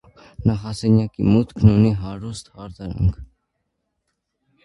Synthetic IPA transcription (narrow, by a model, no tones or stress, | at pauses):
nɑχɑsɛnjɑkimut̪kʰnuniɦɑɾust̪hɑɾd̪ɑɾɑ̰ŋkʰ